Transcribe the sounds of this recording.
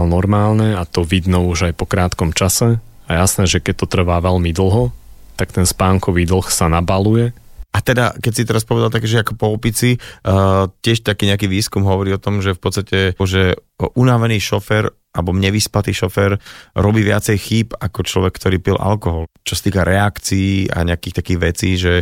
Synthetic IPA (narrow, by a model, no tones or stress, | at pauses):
lnɔɾmaːlnɛat̪ɔʋid̪nɔuʒajpɔkɾaːt̪kɔmt͡ʃasɛ | ajasnɛːʒɛkɛc̚t̪ɔt̪r̩ʋaʋɛlmid̪l̩ˠɦɔt̪akt̪ɛnspaːŋkɔʋiːd̪l̩ˠxsanabalujɛat̪ɛd̪akɛcsit̪ɛɾaspɔʋɛd̪alt̪akɛːʒɛakɔpɔɔpit͡si | cɪɛʃt̪akiːɲɛakiːʋiːskumɦɔʋɔɾiːɔt̪ɔmʒɛfpɔt̪t͡st̪acɛɔʒɛ | ʔunaʋɛniːʃɔfɛɾ | albɔmɲɛʋisplat̪iːʃɔfɛɾɾɔbiːʋɪat͡sɛjxiːpakɔt͡ʃlɔʋɛkːt̪ɔɾiːpilʔa̰lkɔɦɔlt͡ʃɔsḁt̪iːkaɾʔɛakt͡siːa̰ɲɛakiːxt̪akiːɣʋɛt͡siːʒɛ